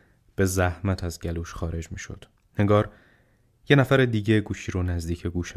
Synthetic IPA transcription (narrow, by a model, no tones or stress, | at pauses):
b̥e̞zæhmæt̪ʰæzɟæluːʃxɒːɾe̞d͡ʒmiːʃo̞̰d̪̥ | heŋɡɒːɾ | je̞næfæɾed̪iːɟe̞ɡuːʃiːɾonæzd̪iːcʰeɡuːʃ